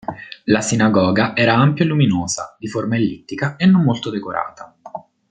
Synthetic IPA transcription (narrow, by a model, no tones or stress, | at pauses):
lasinaɡɔːɡaʔɛːɾaampjoluminoːza̰d̪iformaelːit̪ːikaenːomːolt̪od̪ekoɾʔa̰ːt̪a